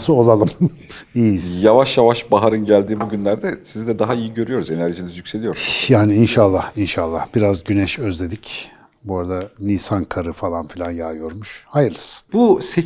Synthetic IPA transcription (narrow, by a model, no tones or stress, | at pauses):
sɯo̞lˠalˠɯm | iːjavaʃjavaʃbaɦaɾɯnɟælʲd̪iːbuɟynlʲæɾd̪ɛsizd̪ɛd̪aɦaijiɟø̞ɾyjo̞ɾuze̞næɾʒinizjycse̞lʲijo̞ɾjaːniinʃalˠːahinʃalˠːahb̥iɾazɟynɛʃøzlʲe̞d̪ic | boɾad̪aniːsankʰaɾɯfalˠanfilʲanjaːjo̞ɾmuʃhajɯɾɯsbuse